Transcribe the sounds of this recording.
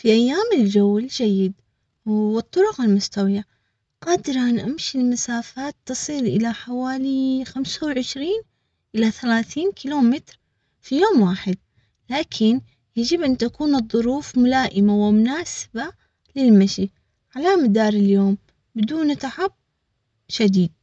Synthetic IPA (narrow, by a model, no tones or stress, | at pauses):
fiʔajːaːmɪld͡ʒawːɪld͡ʒajːɪd̪ | ɨt̪ˤːʊɾʊqɪlmʊst̪awija | qaːd̪ɪɾʔanʔamʃilmasaːfaːt̪ːɨsˤiːlʔɪ̰laħawaːlixamsawʕɪʃɾiːn | ʔɪlaθalaːθiːnkʰiloːmɪt̪ɾ | fijoːmwaːħɪd̪̚ | laːkʰɪn | jad͡ʒɪbʔant̪akuːnɨðˤːʊɾuːfmʊlaːʔɪmawɪmʊnaːsɪ̥ba | lɪlmaʃi | ʕalamad̪ɑːɾˤɪljoːm | bɪd̪uːnt̪aħab̚ | ʃad̪iːd̪̚